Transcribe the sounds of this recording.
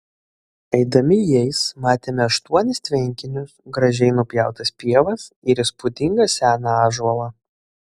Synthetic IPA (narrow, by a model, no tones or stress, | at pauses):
ɛɪd̪ɐmʲɪjɛɪsmɑːt̪ʲeːmʲɛɐʃt̪uɔnʲɪst̪ʲʋʲɛŋʲkʲɪnʲʊsɡɾɐʒʲɛɪnʊpʲjæˑʊt̪ɐsʲpʲiɛʋɐsɪɾɪspʊd̪ʲɪŋɡɐsʲæːnɑɑːʒɐlˠɑ